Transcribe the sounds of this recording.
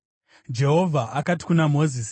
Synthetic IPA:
d͡ʒe̞ɦo̞vʱaʔakati̥kunamo̞zis

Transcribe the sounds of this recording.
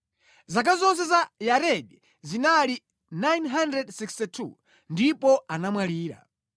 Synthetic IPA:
zak̬azɔns̬ɛzajaɾɛɗi | zinali | najnɦandɾɛdsikstitʰṵ | ndipɔanamwaliːɾa̰

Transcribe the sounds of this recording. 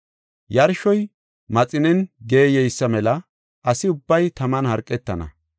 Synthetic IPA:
jɐɾʃɔj | mɐt͡sʼɪnɛnɡe̞ːjɛjsːɐmɛlɐ | ʔɐsɪʊbːɐjt̪ɐmɐnhɐɾkʼːɛt̪ːɐ̰nɐ̰

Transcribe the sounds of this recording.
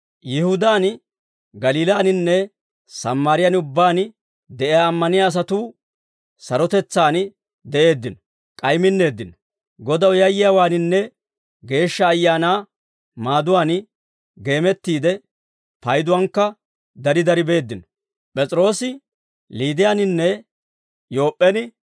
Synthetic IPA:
jɪhʊd̪aːn | ɡɐliːlaːnɪnːɛ | sɐmːaːɾɪjɐnʊbːaːn | d̪ɛʔɪjaːmːɐnɪjaːs̬ɐt̪uː | sɐɾɔt̪ɛt͡sːaːn | d̪ɛʔe̞ːd̪ːɪnɔ̥ | kʼɐjmɪnːe̞ːd̪ːɪnɔ̥ | ɡɔd̪ɐwjɐjɪjawaːnɪnːɛ | ɡe̞ːʃːɐːjːaːnaː | maːd̪ʊwaːn | ɡe̞ːmɛt̪ːiːd̪ɛ | pɐjd̪ʊwɐŋkːɐ | d̪ɐɾɪd̪ɐɾɪbe̞ːd̪ːɪnɔ̥ | pʼɛt͡sʼɾo̞ːsɪ | liːd̪ɪjanɪnːɛ | jo̞ːpʼːɛnɪ

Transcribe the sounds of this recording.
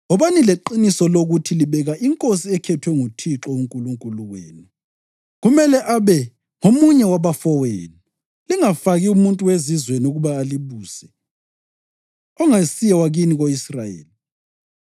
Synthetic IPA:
ɔβanileǃinisɔloɣutʰiliβɛɣaʔiŋkʼosiɛkʰɛtʰwɛŋutʰiǁɔuŋkʼuluŋkʼuluɣwḛːnu | ɣumɛlɛʔaβɛ | ŋomuɲɛwaβafɔwḛːni | liŋafaɣiumuntʼuwezizweniuɣuβaːliβuːzɛ | ɔŋasijawaɣiniɣoisrajḛːli

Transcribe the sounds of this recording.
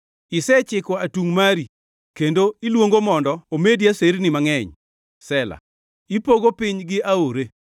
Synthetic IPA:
ɪsɛt͡ʃɪkɔatuŋmaɾi | kendoilwoŋɡomɔndɔomediaseɾnɪmaŋɛɲ | sɛla̰ | ipoɡopɪɲɡɪʔaoɾe

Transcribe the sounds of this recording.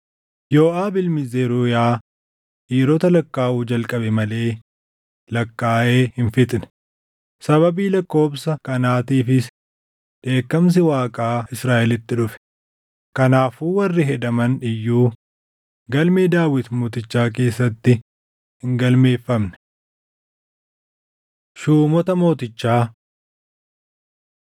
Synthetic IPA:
jo̞ːʔaːbɪlmɪzeːɾuːjaː | ʔiːɾɔt̪ɐlɐkːaːʔuːd͡ʒɐlkʼɐbɛmɐle̞ː | lɐkːaːʔe̞ːhɪnfɪt̪ʼnɛ̥ | sɐbɐbiːlɐkːo̞ːbsɐkɐnaːt̪iːfɪs | ᶑe̞ːkːɐms̬ɪwaːkʼaːɪsɾaːʔɛlɪt̪ːɪᶑʊfɛ̥ | kɐnaːfuːwɐrːɪɦɛd̪ɐmɐnᶑɪjːuː | ɡɐlmeːd̪aːwɪt̪mo̞ːt̪ɪt͡ʃːaːk̬e̞ːsːɐt̪ːɪ | hɪŋɡɐlme̞ːfːɐmnɛ̥ | ʃuːmɔt̪ɐmo̞ːt̪ɪt͡ʃːaː

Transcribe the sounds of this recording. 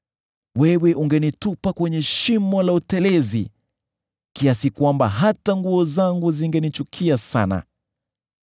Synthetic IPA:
wɛwɛʔuŋɡɛnitupakwɛɲɛʃimɔlautɛlɛzḭ | kiasikwamba̰ɦataŋɡuɔzaŋɡuziŋɡɛnit͡ʃukʰiasa̰na̰

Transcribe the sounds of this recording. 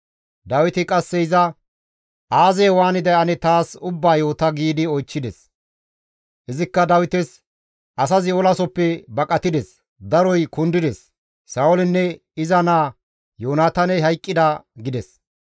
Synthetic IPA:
d̪ɐwɪt̪ɪkʼɐsːɛɪzɐ | ʔaːzɛːwaːnɪd̪ɛɐnɛt̪aːsʊbːaːjo̞ːt̪ɐɡiːd̪ɪɔjt͡ʃːɪd̪ɛs | ʔɪzɪkːɐd̪ɐwɪt̪ɛs | ʔɐsɐzɪɔlɐsɔpːɛbɐkʼɐt̪ɪd̪ɛs | d̪ɐɾɔjkʊnd̪ɪd̪ɛsː | aːwɔlɪnːɛ | ɪzɐnaː | joːnaːt̪ɐnɛɦɐjkʼːɪd̪ɐɡɪd̪ɛs

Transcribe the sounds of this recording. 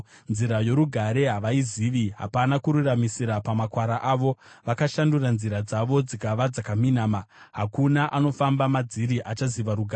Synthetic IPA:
nziɾajo̞ɾuɡʱaɾe̞ɦaʋaiziʋiɦa̰panakuɾuramisiɾapamakwaɾaʔaːʋo̞ʋakaʃanduranziɾad͡zaʋo̞d͡zikaʋad͡zakaminaːma | ɦakunaʔano̞fambamad͡ziɾiʔat͡ʃaziʋaɾuɡʱaː

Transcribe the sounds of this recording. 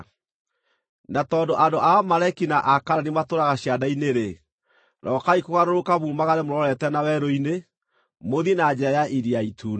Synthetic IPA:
natɔːndoʔandoʔamaɾakinaʔakaɾanematoɾaɣaɕjadaineɾe | ɾɔːkaikoɣaɾoɾokaβuːmaɣaɾemoɾɔɾɛtɛnawɛɾoine | moðinad͡ʑɛajaʔiɾiaitʰuːn

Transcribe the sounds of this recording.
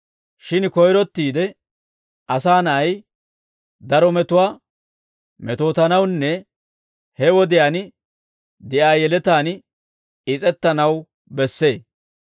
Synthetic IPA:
ʃɪnkɔjɾɔt̪ːiːd̪ɛ | ʔɐsaːnɐɐj | d̪ɐɾɔmɛt̪ʊwaː | mɛt̪o̞ːt̪ɐnɐwnːɛ | hɛwɔd̪ɪjaːn | d̪ɪʔaːjɛlɛt̪aːn | ɪt͡sʼɛt̪ːɐnɐw | bɛsːe̞ː

